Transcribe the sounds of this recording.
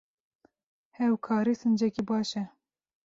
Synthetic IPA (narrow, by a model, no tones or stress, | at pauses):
hɛwkʰɑːɾiːsɨnd͡ʒɛkibɑːʃɛ